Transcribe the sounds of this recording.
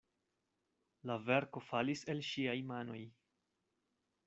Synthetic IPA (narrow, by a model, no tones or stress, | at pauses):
lave̞ɾko̞falise̞lʃiajmano̞j